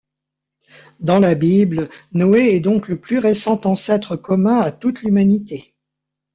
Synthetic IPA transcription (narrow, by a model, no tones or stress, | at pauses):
d̪ɑ̃labiblnɔeɛd̪ɔ̃kləplyʁesɑ̃t̪ɑ̃sɛt̪χəkɔmɛ̃at̪ut̪lymanit̪e